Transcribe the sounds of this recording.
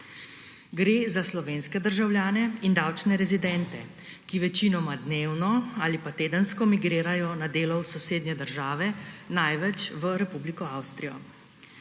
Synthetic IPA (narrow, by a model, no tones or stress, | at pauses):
ɡɾeːzaslɔʋeːnskɛd̪əɾʒawljaːnɛind̪awt͡ʃnɛɾɛzid̪ɛnt̪ɛ | kiʋɛt͡ʃiːnɔmad̪neːwnɔaːlipat̪eːd̪ənskɔmiɡɾeːɾajɔnad̪eːlɔwsɔseːd̪nɛd̪əɾʒaːʋɛnajʋɛt͡ʃʋəɾɛpublikɔawst̪ɾijɔ̰